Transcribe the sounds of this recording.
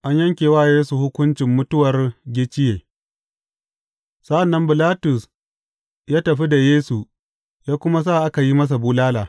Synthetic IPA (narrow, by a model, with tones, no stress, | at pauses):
ʔa˦ɲjɐ˦ŋkʲeː˨waː˦˨jeː˦su˨hʊ˦kʷʊ˦nt͡ʃɪ˨mːʊ˦tʊ˦wɐ˨rɡʲɪ˦t͡ʃɪ˦jeː˨ | sɐ˦ʔa˨nːɐ˦mbɪ˨laː˦tʊ˨s | jaː˦tɐ˨ɸi˦da˨jeː˦su˨ | jaː˦kʷʊ˦ma˦s̬aː˦˨ʔa˦ka˨ji˦mɐ˦s̬a˨buː˦laː˦laː˨